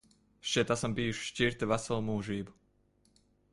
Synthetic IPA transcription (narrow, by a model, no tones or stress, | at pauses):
ʃt͡ʃɛt̪asɔmbiːʃʃciɾt̪ɛʋasɛlˠmuːʒiːbu